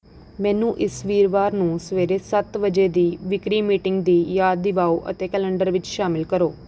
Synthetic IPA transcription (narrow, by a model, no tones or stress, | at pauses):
mɛ̃ːnũːʔɪsʋiːɾʋaːɾnũːsəʋeːɾeːsət̪ʋəd͡ʒeːd̪iːʋɪkɾiːmiːʈɪŋɡd̪iːjaːd̪ːɪʋaːoːʔə̰t̪eːkɛːlɛ̃ɳɖəɾʋɪt͡ʃʃaːmɪlkəɾoː